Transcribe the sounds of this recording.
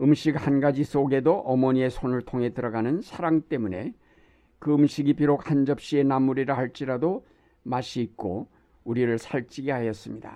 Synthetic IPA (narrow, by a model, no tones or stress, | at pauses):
ɯmɕʰik̚hanɡad͡ʑis͈oɡe̞doʔʌmʌɲie̞sʰonɯɭtʰoŋɦe̞tɯɾʌɡanɯnsʰaɾaŋt͈e̞mune̞̰ | kɯɯmɕʰiɡipiɾok̚hand͡ʑʌp̚ɕ͈ie̞namːuɾiɾɯhaɭt͡ɕ͈iɾado | maɕʰiːk͈o | uɾiɾɯɭsʰaɭt͡ɕ͈iɡiɦajʌs͈ɯmɲida̰